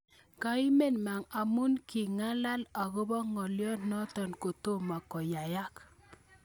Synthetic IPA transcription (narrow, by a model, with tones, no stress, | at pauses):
ka˨i˦me˦nma˨ŋa˨mu˦nki˨ŋa˦la˦la˨ko˦bɔ˦ŋɔ˨ljɔ˦nnːɔ˦tɔ˨nko˨to˦ma˨kɔ˨ja˨ja˦k